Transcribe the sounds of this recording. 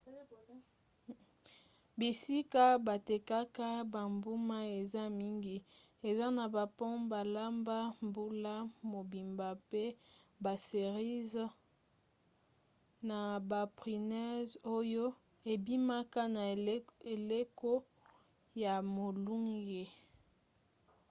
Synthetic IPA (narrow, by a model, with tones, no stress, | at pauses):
bi˨si˦ka˦ba˨te˨ka˦ka˦ba˨mbu˦ma˦e˨za˦mi˦ŋɡi˦ | e˨za˦na˨ba˨pɔ̃˦ba˨la˦mba˦mbu˦la˦mo˨bi˨mba˨pe˦ | ba˨se˨ʁi˦z | na˨ba˨pʁi˨nɛ˦zo˦jo˦ | e˨bi˦ma˦ka˦na˨e˨le˦ko˦ | ja˨mo˨lu˦ŋɡe˨